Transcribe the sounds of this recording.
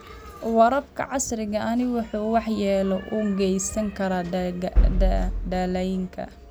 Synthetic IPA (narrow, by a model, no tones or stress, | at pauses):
wɐɾɐbkʰɐ̰ʕɑsɾɪɣɐɐnɪwʊħuːwɑħjɛːlɔʔuːŋɡɛjsɐŋkʰɐɾaː | ɖaːlɐjɪŋkʰɐ̰